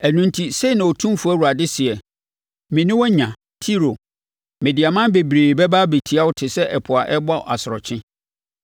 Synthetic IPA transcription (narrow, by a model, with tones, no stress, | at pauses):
æ˨nũ˦n˦tʰi˦se˦˨nã˨o˨tʰũ˦m˦fu˦æ˦wu˨ɾa˨dɪ˦sɪ˨ɛ˨ | mɪ̃˨nʊ̃˦wɔ˦ɲã˨ | tʰi˦ɾo˨ | mɪ̃˨di˨a˨mã˦nbe˨bɾeː˨bɛ˦ba˦be˨tʰi˨a˦wʊ˦tʰɪ˨sɛ˦ʔɛ˨pʰʊ˨a˨ʔɛ˦ba̰˦˨a˨sʊ˨ɾɔ˨t͡ɕʰɪ̃˦